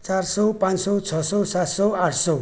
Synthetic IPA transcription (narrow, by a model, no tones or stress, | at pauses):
t͡saɾsɔwpãnsɔwt͡sʰʌsɔwsat̪sɔwaʈʰsɔw